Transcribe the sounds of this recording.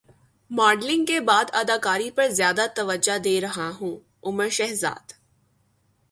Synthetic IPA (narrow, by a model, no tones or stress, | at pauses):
maːɖlɪ̃ŋɡkebaːd̪ɐd̪aːkaːɾipɐɾzjaːd̪at̪ɐʋəd͡ʒad̪eːɾɐɦaɦũː | ʊməɾʃɛɦza̰ːd̪